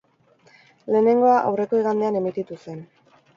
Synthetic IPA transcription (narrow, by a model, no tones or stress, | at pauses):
le̞ːne̞ŋɡo̞aʔa̰wre̞ko̞iɣand̪e̞ane̞mit̪it̪use̞n